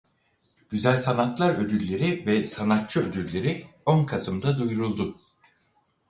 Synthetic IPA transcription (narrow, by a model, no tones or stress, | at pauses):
ɟ̥yzælʲsanat̪lˠaɾød̪ylʲːe̞ɾivɛsanat̪̚t͡ʃʰɯød̪yllʲːe̞ɾionkʰasɯmd̪ad̪ujɾulˠd̪ʊ